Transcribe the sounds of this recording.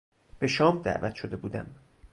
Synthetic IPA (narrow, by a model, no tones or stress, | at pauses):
b̥e̞ʃɒːmd̪æ̰ʔvæt̪ʰʃo̞d̪e̞buːd̪æm